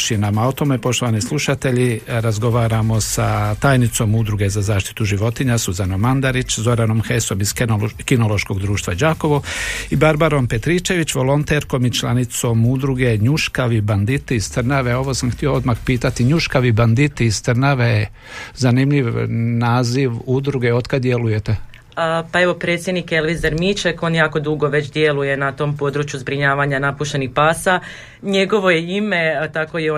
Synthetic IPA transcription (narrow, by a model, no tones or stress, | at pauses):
ʃinamaot̪o̞me̞po̞ʃt̪oʋanislˠuʃat̪e̞ʎiɾazɡo̞ʋaːɾamo̞sat̪aːjnit̪so̞mud̪ɾuɡe̞zazaːʃt̪i̥t̪uʒiʋo̞t̪iɲasuzano̞mand̪aɾit͡ʃzo̞ɾano̞mxesomiz̥kino̞lˠoʃko̞ɡd̪ɾuːʃt̪ʋad͡ʒaːko̞ʋoibaɾbaɾo̞mpe̞t̪ɾit͡ʃe̞ʋit͡ɕʋo̞lo̞nt̪eɾko̞mit͡ʃlˠanit̪so̞mud̪ɾuɡe̞ɲuʃkaʋiband̪it̪iist̪ɾnaʋeo̞ʋo̞samxt̪io̞od̪maxpiːt̪at̪iɲuʃkaʋiband̪it̪iist̪r̩naʋe | zanimʎiʋnaːziʋud̪ɾuɡeo̞d̪kad̪d̪jeluje̞t̪e | pae̞ʋo̞pɾe̞t̪sʲjed̪nikelʋizaɾmit͡ʃeko̞ːnjaːko̞d̪uɡo̞ʋe̞t͡ɕd̪jeluje̞nat̪o̞ːmpo̞d̪ɾut͡ʃjuzbɾiɲaːʋaɲanapuʃt̪e̞nixpaːsa | ɲeɡo̞ʋo̞jeimet̪ako̞jeo